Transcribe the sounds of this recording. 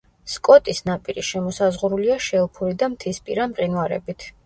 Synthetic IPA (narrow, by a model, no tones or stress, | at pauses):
skʼɔt̪ʼisnapʼiɾiʃɛmɔsazʁuɾuliaʃɛlˠpʰuɾid̪amt̪ʰispʼḭɾamqʼinwaɾɛ̰bit̪ʰ